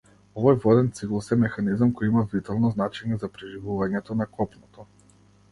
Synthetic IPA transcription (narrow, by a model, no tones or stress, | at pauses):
ɔvɔjvɔd̪ɛnt̪siklˠusɛmɛxanizamkɔjimavit̪alˠnɔznat͡ʃɛɲɛzapɾiʒivuvaɲɛt̪ɔnakʰɔpnɔt̪ɔ